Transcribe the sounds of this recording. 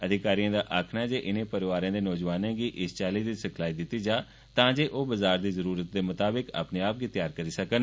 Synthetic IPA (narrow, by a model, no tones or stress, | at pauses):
əd̪ʱɪkaːɾiãːd̪aːʔaːkʰnaːd͡ʒeːʔɪnẽːpəɾɪʋaːɾãːd̪eːnɔːd͡ʒʋaːnẽːɡiːʔɪst͡ʃɛːliːd̪isəkʰlaːiːd̪ɪt̪ːiːd͡ʒaː | t̪ãːd͡ʒeːʔoːbəzaːɾd̪iːzəɾuːɾət̪̚d̪eːmʊt̪aːbɪka̰ːpneːaːp̚ɡiːt̪jaːɾkəɾiːsəkən